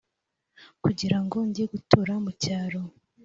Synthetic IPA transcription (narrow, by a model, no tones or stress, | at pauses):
kuɟiɾaŋɡo̞ɲɟeɡutuɾamucaːɾo̞